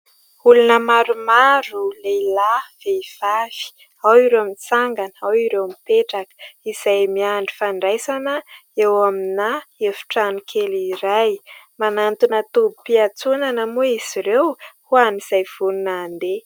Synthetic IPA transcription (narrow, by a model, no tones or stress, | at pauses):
ulunəmaɾumaɾuleilav̥eiv̥av̥i̥ | awiɾeamint͡saŋɡanawiɾewmipeʈ͡ʂakə̥iz̥ajmiaɳɖ͡ʐifaɳɖ͡ʐajsanəewaminaevu̥ʈ͡ʂanikʰeliɾajmanant̪unət̪ubupiat͡sunanəmuiz̥iɾewhuaniz̥ajv̥ununaːnd̪e